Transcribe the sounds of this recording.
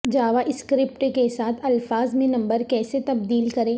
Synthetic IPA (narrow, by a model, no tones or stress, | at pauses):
d͡ʒaːʋaʔɪskɾɪpʈkesaːt̪ʰɐlfaːzmẽnɐ̃mbəɾkɛːset̪ɐbd̪iːlkɐɾẽː